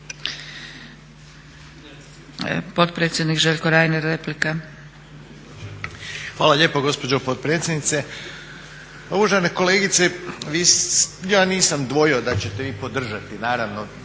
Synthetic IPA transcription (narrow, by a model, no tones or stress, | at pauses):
po̞t̪pɾet̪sʲjed̪nikʒeʎʲkoɾaːjnaɾeplika | xʋaːlaʎeːpoɡo̞spod͡ʑopot̪̚pɾet̪sʲjed̪nit̪se | oʋoʒaneko̞leːɡit̪seʋijaːniːsamd̪ʋo̞jod̪at͡ɕet̪e̞ʋiːpo̞d̪r̩ʒat̪inaːɾaʋno̞